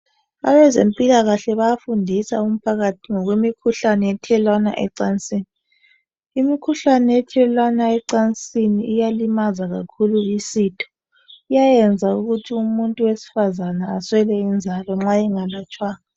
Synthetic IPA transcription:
aβɛzempʼilaɣaɬɛβajafundʱisaum̩pʰaɣatʰiŋɔɣwimikʰuɬanɛɛtʰɛlwana̰ʔɛ̰ǀant͡sʼiːniː | mikʰuɬanɛɛtʰɛlwanaɛǀant͡sʼiniʔijalimazaɣa̰kʰuluisitʰɔ̥ | ijajɛnd͡zʱauɣutʰiumuntʼuwesi̥fazanaːswɛlɛind͡zʱalɔŋ͡ǁaiŋalat͡ʃʼwaːna

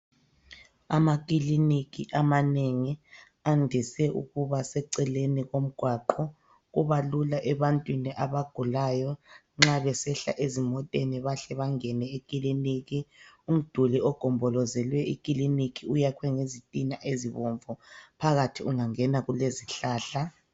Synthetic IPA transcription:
amak̬ʼilinik̬iʔamaneŋi | andʱisɛʔṵɣuβasɛǀɛleniɣom̩ɡ̥ʱwaǃɔ | ɣuβalulaʔɛβantʼwiniʔaβaɡ̥ʱulajɔ | ŋ͡ǁaβɛsɛɬa̰ʔezimɔtʼeniβaɬɛβaŋɛnɛekʼiliniɣium̩d̥ʱuliɔɡ̥ʱɔmbʱɔlɔzɛlwɛik̬ʼilinikʰʼiujakʰwɛŋezitʼinaʔeziβɔɱvɔpʰaɣatʰiuŋaŋɛnaɣuleziɬaːɬa

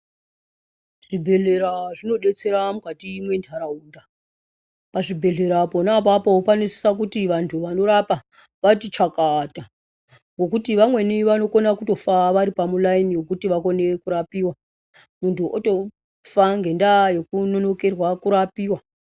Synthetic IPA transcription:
ʐ̥ibʱe̞ɮe̞ɾaʐino̞ɗe̞t͡se̞ɾamukatiːmwe̞ntʰaɾauːnda | paʐibʱe̞ɮe̞ɾapo̞napapoopanisi̥sak̬utiʋantʰuʋano̞ɾapa | ʋatit͡ʃakata | ŋɡo̞k̬utiʋamwe̞niʋano̞ko̞nakuto̞faʋaɾipamulainijo̞kutiʋako̞ne̞kuɾapiːwa | muntʰuʔoto̞ | faŋɡe̞ndajo̞kuno̞no̞ke̞rwakuɾapiːwa

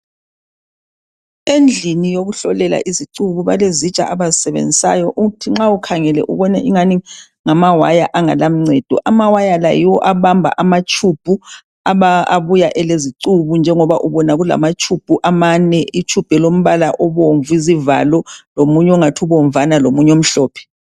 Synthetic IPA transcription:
end͡ɮʱinijoɣuɬɔlɛla̰ʔiziǀuβuβalezit͡ʃʼa̰ʔaβazisɛβḛnd͡zʱisa̰jɔʔuɣutʰiŋ͡ǁaukʰaŋɛlɛ̰ʔṵβɔnɛʔiŋani | ŋamawajaʔaŋa̰lam̩ŋ͡ǀɛd̥ʱɔ̰ʔamawajala̰jiwɔʔaβambʱa̰ʔamat͡ʃʰʼub̥ʱu | aβaa̰βujaʔɛleziǀuβund͡ʒʱɛŋɔβaʔuβɔnaɣula̰mat͡ʃʰʼub̥ʱuʔamanɛit͡ʃʰʼub̥ʱɛlom̩βalaʔɔβoɱvuiziva̰lɔlomuɲɛɔŋatʰuβoɱvanalomuɲom̩ɬɔːpʰɛ̥

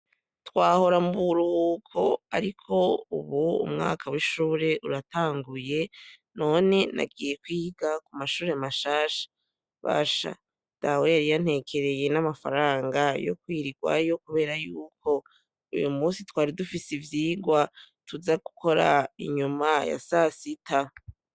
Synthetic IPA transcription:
twaːho̞ɾamuβuɾuhukʰo̞aɾikʰo̞ṵβuṵmŋa̰ːkʰawiʃuːɾe̞ʔuɾataːŋɡuje̞ | no̞ːne̞na̰ɡiːje̞kwiːɡakumaʃuːɾeamaʃaːʃḁ | βa̰ːʃa̰ | d̥awejaɾijan̥he̞ːkʰe̞ɾe̞je̞namafa̰ɾaːŋɡajo̞̰kwiːɾiɡwa̰jo̞kuβe̞ːɾajuːkʰo̞ | ṵjumuːsitwaːɾidufisivjiːɡwa | tuzaɡu̥kʰo̞ɾaḭɲumaja̰sasitʰa

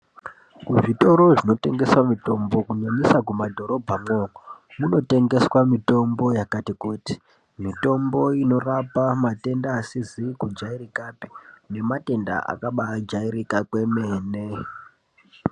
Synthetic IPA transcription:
kuʐito̞ɾo̞ʐino̞te̞ŋɡe̞swamito̞mbo̞kuɲaɲisakumadʱo̞ɾo̞bʱamokomuno̞te̞ŋɡe̞swamito̞mbo̞jakatikuti̥ | mito̞mbo̞ino̞rapamate̞ndaːsizikud͡ʒairikapi̥ne̞mate̞nda̰ʔa̰kaɓad͡ʒaiɾikakwe̞meːne

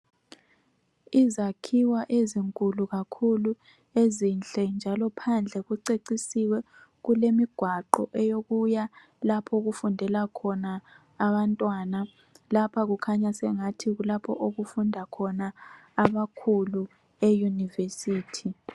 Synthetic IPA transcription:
izakʰiwaʔeziŋkʼuluɣakʰulu | ezint͡ɬʼɛnd͡ʒʱalɔpʰand͡ɮʱɛɣuǀeǀisiwɛ | ɣulemiɡ̥ʱwaǃɔ̰ʔɛjoɣuja | lapʰɔɣufundʱɛlakʰɔnaː | βantʼwana | lapʰaɣukʰaɲasɛŋatʰiɣulapʰɔʔoɣufundʱakʰɔnaːβakʰulu | ejunivesiːtʰi

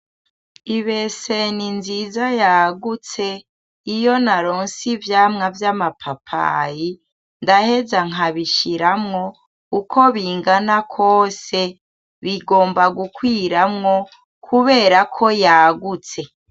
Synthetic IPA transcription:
iβe̞seninzizajaːɡut͡se̞ | ijo̞naɾoːnsivjaːmŋavjamapʰapʰa̰ji | ndahe̞zaŋ̥ɦaβiʃiɾamŋo̞ | ukʰo̞βiːŋɡanakʰoːse | βiɡo̞ːmbaɡukwiːɾamŋo̞ | kʰuβe̞ːɾakʰo̞jaːɡut͡se̞

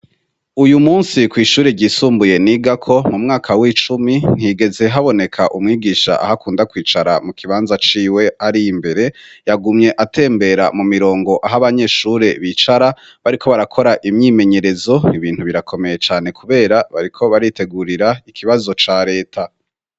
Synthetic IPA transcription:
ujumuːnsikwiːʃuːɾeɟiːsuːmbuje̞niɡakʰo̞mumŋaːkʰawit͡ʃumin̥hiɡe̞ze̞ɦaβo̞ne̞kʰaʔumŋiːɡiːʃa̰ʔa̰ɦakuːndakwiːt͡ʃaɾamukʰiβaːnzat͡ʃiːwe̞aɾimbe̞ɾe̞jaɡumɲe̞ʔatʰe̞ːmbe̞ɾamumiɾo̞ːŋɡo̞ʔaɦaβaɲe̞ːʃuːɾe̞βit͡ʃaɾa | βaɾikʰo̞βaɾakʰo̞ɾaʔimɲiːme̞ɲe̞ɾe̞zo̞iβiːn̥huβiɾakʰo̞me̞je̞t͡ʃaːne̞kʰuβe̞ːɾaβaɾikʰo̞βaɾite̞ɡuɾiɾaikʰiβazo̞t͡ʃaːɾe̞ːtʰa

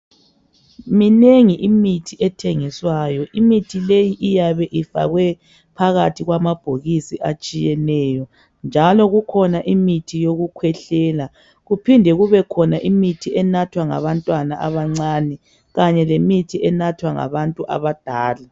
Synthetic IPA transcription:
mineŋiʔimitʰiʔɛtʰeŋiswajɔʔimitʰilejiʔijaβɛʔifa̰ɣwɛ | pʰaɣatʰiɣwamab̥ʱoɣisiʔat͡ʃʼijɛnɛːjɔ | nd͡ʒʱalɔɣukʰɔnaʔimitʰijoɣukʰwɛɬɛːla | ɣupʰindʱɛɣuβɛkʰɔnaʔimitʰiʔɛnatʰwaŋa̰βantʼwanaʔa̰βaŋ͡ǀanɛ | ɣaɲɛlemitʰiʔɛnatʰwaŋa̰βantʼuʔa̰βad̥ʱaːla

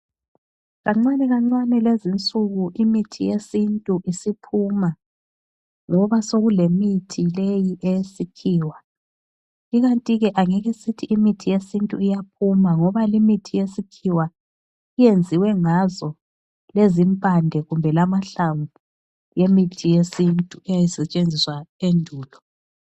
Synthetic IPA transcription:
ɣaŋ͡ǀanɛɣaŋ͡ǀwanɛlezint͡sʼuɣuʔimitʰijesintʼuʔisipʰuma | ŋɔβasoɣulemitʰilejiʔejsikʰiːwa | iɣantʼiɣɛʔaŋɛɣisitʰiʔimitʰijesintʼuijap̚ʰumaŋɔβalimitʰijesikʰiwa | ijend͡zʱiwɛŋazɔ | lezimpʼandʱɛɣumbʱɛlamaɬaɱvʱu | jemitʰijesintʼuɛjajisɛt͡ʃʼend͡zʱiswaendʱuːlɔ

